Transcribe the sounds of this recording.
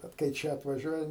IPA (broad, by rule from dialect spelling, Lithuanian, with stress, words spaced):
ˈbʲɛt kɐɪ ˈt͡ʃʲɛ ɐtʋɐˈʒʲuɔjɛ